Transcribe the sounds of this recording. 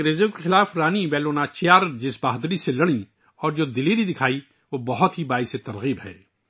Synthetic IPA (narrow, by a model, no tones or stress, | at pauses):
ɾeːzjõkexɪlaːfɾaːnibɛːloːnat͡ʃejaːɾd͡ʒɪsbaːɦd̪ɾiselɐɽ̃ĩ | ɔːɾd͡ʒoːd̪ɪliːɾid̪ɪkʰaːi | ʋobɐɦʊt̪ɦibaːiset̪ɐɾɣiːbɦɛ̰ː